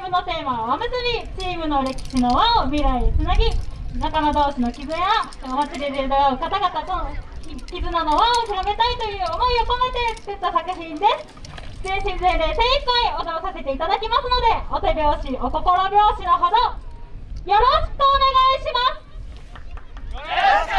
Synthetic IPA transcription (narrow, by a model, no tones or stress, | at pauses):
imɯ̟no̞t̪e̞ːmaβaβamɯ̟zɨmʲit͡ɕiːmɯ̟no̞ɾe̞kʲi̥ɕino̞βaomʲiɾait͡sɨnaɡʲinakamad̪o̞ːɕino̞kʲizɨja | omat͡siɾʲeɾed̪oaɯ̟kat̪aɡat̪ad̪oikʲizɨnano̞βaokɯɾabe̞t̪ait̪o̞jɯ̟ːomo̞ioko̞met̪e̞t̪et̪ːosakɯ̟çĩnd̪e̞sɨ̥ | d̪eɕĩzejd̪e̞sẽikaio̞d̪oɾokase̞t̪e̞it̪ad̪akʲimasɨno̞d̪e̞ot̪ebʲjo̞ːɕiʔot̪o̞ko̞ɾobʲjo̞ːɕinoɦod̪o | jo̞ɾo̞ɕkoːne̞ɡaiɕimasɨ̥